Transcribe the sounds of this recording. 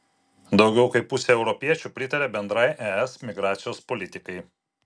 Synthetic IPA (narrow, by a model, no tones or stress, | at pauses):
d̪ɒʊɡʲɛʊkɐɪppʊsʲeɛʊɾɔpʲiɛt͡ʃʲupʲɾʲɪt̪ɐɾʲebʲɛnd̪ɾɐɪʔɛɛsmʲɪɡɾɑːt̪sʲɪjoːspɔlʲɪt̪ʲɪkɐɪ